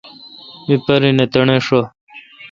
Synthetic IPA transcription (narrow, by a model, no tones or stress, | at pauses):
mipɐɾinet̪ɐɳeʂo